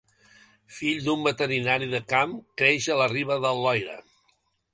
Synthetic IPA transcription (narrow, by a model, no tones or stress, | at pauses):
fiʎd̪umbət̪əɾinaɾiðəkamkɾeʒələriβəðəlɔjɾə̰